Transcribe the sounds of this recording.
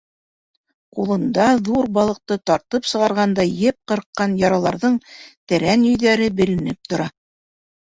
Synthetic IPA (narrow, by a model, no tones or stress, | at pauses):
qulˠɤ̆nd̪ɑðuɾbɑlˠɤ̆q̚t̪ɤt̪ɑɾt̪ɤpsɤ̆ʁɑɾʁɑnd̪ɑjɘp̚qɤ̆ɾqːɑnjɑɾɑlˠɑɾðɤɴt̪æɾænɵ̆jðæɾɘbɘ̆lɘ̆nɘp̚t̪ŏɾɑ